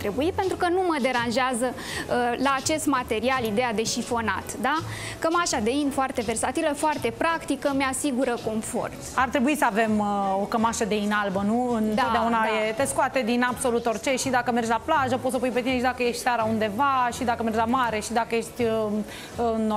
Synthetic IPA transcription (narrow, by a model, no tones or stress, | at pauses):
t̪ɾe̞buipe̞nt̪ɾukənuməd̪e̞ɾanʒeazə | laːt͡ʃe̞st̪mat̪e̞ɾialid̪e̞jad̪e̞ʃifo̞na̰t̪d̪a | kəmaʃad̪e̞infoart̪e̞ve̞rsat̪iləfoart̪e̞pɾakt̪ikəmeasiɡuɾəko̞nfo̞̰rt̪art̪ɾebuisəave̞mokəmaʃəd̪e̞inalbənuɨnt̪od̪eaunajet̪e̞skoat̪ed̪inabso̞lut̪o̞rt͡ʃe̞ʃid̪akəme̞rd͡ʒlaplaʒəpot̪səpujpet̪ineʃid̪akəje̞ʃt̪saɾaund̪e̞vaʃid̪akəme̞rd͡ʒʲlamaɾe̞ʃid̪akəjeʃt̪ʲ | no